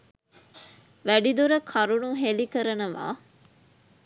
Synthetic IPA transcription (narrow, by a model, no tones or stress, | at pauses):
ʋæɖid̪uɾəkʰɐɾunuɦelikəɾɐnɐʋa̰ː